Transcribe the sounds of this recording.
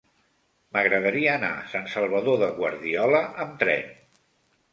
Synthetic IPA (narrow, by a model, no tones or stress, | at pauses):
məɣɾəðəɾiəːna̰sansəlˠβ̞əðoðəɣwə̰ɾðiɔləʔəmt̪ɾɛ̰n